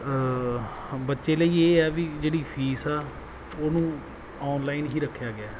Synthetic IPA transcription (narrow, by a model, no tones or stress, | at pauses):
bətːʃeːləiːeːɛːʋid͡ʒeːɽiːpʰiːsɛː | oːnũː | ɔːnlaːɪːnɦiːɾəkʰːjaːɡɪjaː